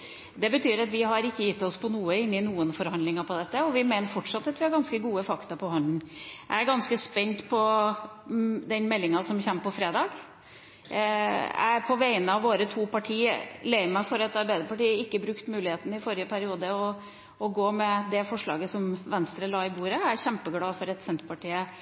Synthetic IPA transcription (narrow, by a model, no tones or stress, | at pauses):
d̪ɛbət̪ʰyːɾɑt̪ʋɪɦɑɾɪkːəjɪt̪ːɔspʰɔnuːəɪnːɪnuːənfɔɾhɑnd̪lɪŋɑɾpʰɔd̪ɛt̪ːəɔʋɪmæɪnəɾfɔʈʂɑt̪ːɑt̪ʋɪhɑɾɡɑnskəɡuːəfɑkt̪ɑpʰɔɦɔnd̪n̩æ̰ɪæɾɡɑnskəspɛnt̪pʰɔ | d̪ɛnmɛlːɪŋɑsɔmçɛmːpɔfɾeːd̪ɑːɡ | æ̰pʰɔʋæɪənəɑʋʋoːɾət̪ʰuːpɑʈʰiːəleɪəmæɪfɔɾɛt̪ɑɾbæɪd̪əɾpɑʈiːəɪkːəbɾʉkt̪mʉːlɪheːt̪ənəɪfɔɾɪəpʰæɾɪuːd̪əɔ | ɔɡoːmɛd̪ɛfɔʂɭɑ̰ːɡəsɔmʋɛnst̪ɾəlɑːɪbuːɾəæɾçɛmpəɡlɑːfɔɾɛt̪sɛnt̪ɾəpɑʈiːə